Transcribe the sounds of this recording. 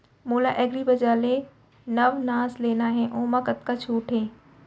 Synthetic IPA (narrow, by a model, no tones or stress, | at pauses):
moːlaʔeːɡɾibɐd͡ʒaːle | nɐʋnaːsleːnaɦɛ̃ʔõːmãkɐt̪̚kat͡ʃʰuːʈʰɦẽː